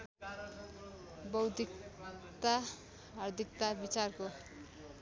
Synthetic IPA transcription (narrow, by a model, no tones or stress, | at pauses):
bʌwd̪ikt̪a | ɦʌrd̪ʱik̚t̪abit͡sarko